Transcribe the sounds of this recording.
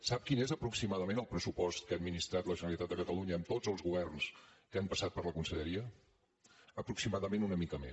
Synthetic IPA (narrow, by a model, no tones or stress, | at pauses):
sap̚kinezəpɾuksimaðəmenəlˠpɾəsupɔst̪̚kəad̪minist̪ɾat̪ləʒənəlˠit̪at̪̚d̪əkət̪əluɲəːmt̪ozəlˠzɣuβɛrnskəampəsat̪̚pəɾrləkunsəʎəɾiə | əpɾuksimaðəmenunəmikəme